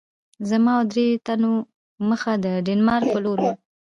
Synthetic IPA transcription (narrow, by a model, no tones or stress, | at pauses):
zamɑad̪ɾet̪ano | məxad̪əɖɪnmɑɾk̚pəloɾu